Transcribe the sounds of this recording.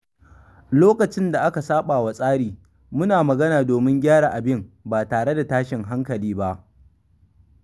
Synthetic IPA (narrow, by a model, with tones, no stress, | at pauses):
loː˦kɐ˨t͡ʃɪ˦nda˨ʔa˦ka˨saː˦ɓaː˨wa˦sʼaː˦ɽiː˨ | mʊ˦naː˨mɐ˨ɡɐ˦naː˨doː˨mɪ˦ŋɡʲaː˦ɽaː˨ʔa˨bɪ˦mbaː˨taː˨ɽe˦da˨taː˦ʃɪ˨ŋɦa˦ŋkɐ˨liː˦ba˦ʔ